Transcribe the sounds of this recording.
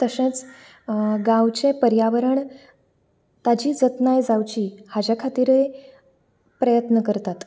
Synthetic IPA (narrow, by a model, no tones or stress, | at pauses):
t̪əɕẽt͡s | ɡãwt͡ɕepəɾjaʋəɾəɳ | t̪ad͡ʑiːd͡zət̪najd͡zawt͡ɕiːhad͡ʑakʰat̪iːɾe | pɾəjət̪nəkəɾt̪at̪